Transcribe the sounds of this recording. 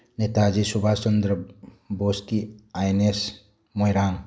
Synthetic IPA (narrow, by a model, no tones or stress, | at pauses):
net̪ad͡ʒisubʱat͡ʃənd̪ɾə | boːskiajnes | mojɾaːn